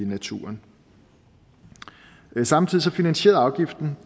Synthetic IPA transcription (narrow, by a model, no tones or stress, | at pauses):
næt͡sʰṵːɐn | sɑ̈mt͡sʰiðˠisɒ̽finænɕe̝̰ɐɑ̈ʊɡ̥ifd̥n̩